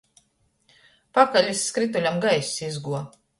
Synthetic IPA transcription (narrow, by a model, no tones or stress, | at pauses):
pakalʲisːkɾit̪̬ulʲamɡajsʲizɡuɔ